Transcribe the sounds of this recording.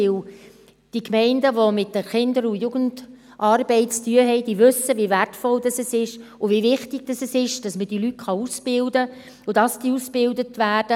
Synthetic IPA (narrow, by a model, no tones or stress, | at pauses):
ɪw | d̥ikmɛɪndəʋomɪtːəχɪndəɾujuɡənd | ʔɑrbɛɪt͡styəɦɛɪd̥iːʋʉsəviværtfɔldɑsɛsɪʃʊvivɪχtɪɡ̥̚d̥ɑsɛsɪʃd̥ɑsməd̥ilyt̚χɑusb̥ɪldə | ʊd̥ɑsd̥iusb̥ɪldətʋæːrd̥ə